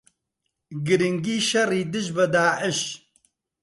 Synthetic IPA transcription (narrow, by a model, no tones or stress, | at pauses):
ɡɨɾɪŋɡiːʃɐriːd̪ɨʒbɨd̪aːʕɪʃ